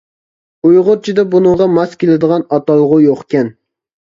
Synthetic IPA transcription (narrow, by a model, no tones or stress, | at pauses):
ujʁʊɾt͡ʃʰid̪ɛbunɨŋʁɑmɑskʲelɪd̪əʁɑnɑt̪ɑlˠəʁʊjoχkʲɛn